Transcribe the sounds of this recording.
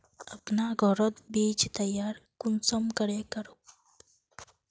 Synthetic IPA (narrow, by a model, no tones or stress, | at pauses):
əpnaɡʱɔɾət̪biːd͡ʒt̪əjaɾkunsəmkəɽekəɾo